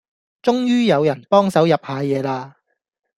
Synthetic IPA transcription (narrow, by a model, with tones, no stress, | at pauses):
t͡ʃʊ˥ŋjyː˥jɐ˨˧wjɐ˨˩npɔː˥ŋsɐ˨˥wjɐ˨p̚haː˨˧jɛː˨˧laː˧